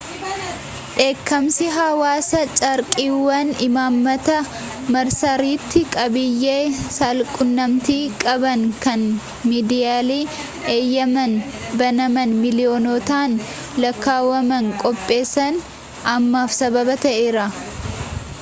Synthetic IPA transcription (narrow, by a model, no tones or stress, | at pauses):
ᶑe̞ːkːɐmsɪɦɐwaːsɐt͡ʃʼɐɾkʼiːwːɐnɪmaːmːɐt̪ɐ | mɐɾsɐɾiːt̪ːɪkʼɐbɪjːeːsalkʼʊnːɐmt̪iːkʼɐbɐŋkɐn | miːd̪ɪjaːliː | eːjːɐmɐn | bɐnɐmɐnmɪlɪjoːnɔt̪aːn | lɐkːaːwɐmɐŋkʼɔpʼːe̞ːsːɐn | ɐmːaːfsɐbɐbɐt̪ɐʔeːɾɐ